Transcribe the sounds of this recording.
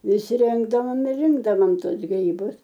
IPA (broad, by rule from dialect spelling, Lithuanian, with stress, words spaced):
ˈʋʲɪsʲˈrʲɪŋɡdɐʋoːm ɪr ˈrʲɪŋɡdɐʋoːm ˈtuɔs ɡrʲiːˈbʊs